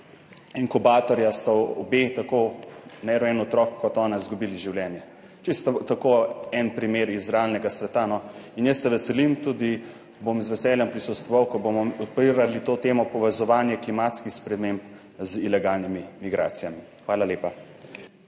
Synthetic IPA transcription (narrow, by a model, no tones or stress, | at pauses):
iŋkubaːt̪ɔɾjast̪aɔbet̪akonɛɾɔɛnɔt̪ɾɔkːɔt̪ɔːnaizɡubiːliʒiwlʲjɛnjɛ | t͡ʃist̪t̪ːakoɛnpɾimeɾizɾalnɛɡasʋɛt̪anɔinjəsːɛʋɛsɛlimt̪uːd̪i | bomzʋɛsɛːljɛmpɾisɔt̪st̪ʋɔʋawkɔbomɔɔpiɾalit̪oːt̪eːmɔpɔʋɛzɔʋaːnjɛklimat̪skixspɾɛmemp | zilɛɡalnimimiɡɾa̰ːt̪sijami | xʋaːlaleːpa